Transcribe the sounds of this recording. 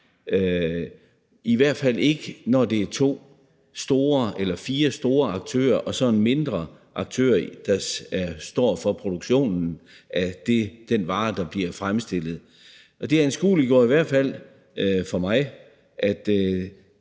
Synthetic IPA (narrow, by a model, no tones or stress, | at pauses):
ø | iʋæɐ̰d̥fæl̰e̝ɡ̥ənɒd̥e̝æɐt͡sʰo̝̰ː | sd̥o̝ːɐelɐfiːɐsd̥o̝ːɐɑ̈ɡ̥̚t͡sʰø̰ːɐʔɒ̽sɒ̽nme̝nd̥ʁɐ | ʔɑ̈ɡ̥̚t͡sʰø̰ːɐd̥ɑ̈æɐsd̥ɒ̰ːfɒ̽pʰʁo̝d̥uɡ̥ɕo̝̰ːnn̩ | ʔæd̥ed̥enʋɑ̈ːd̥ɑ̈b̥liɐfʁamsd̥e̝l̰ð̩ˠ | ʔɒ̽d̥e̝æɐensɡ̥ṵːliɡ̥ɔ̰ɐiʋæɐ̰d̥fæl̰ | fɒ̽mɑ̈ɪ | ʔæd̥